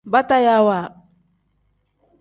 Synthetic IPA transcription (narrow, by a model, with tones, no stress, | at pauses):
ba˦ta˦ja˦wa˨